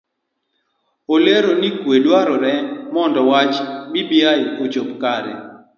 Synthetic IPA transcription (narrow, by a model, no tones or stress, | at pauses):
oleɾonikwedwaɾɔɾɛmɔndɔwat͡ʃmibiajot͡ʃopkaɾɛ̰